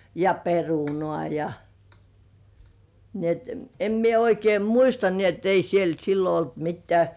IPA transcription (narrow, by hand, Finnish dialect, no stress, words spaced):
jɑ perunŏɑˑ jɑ ni et em mie oikeim muistɑ ni et ei siel silːo olt mitːĕæˑ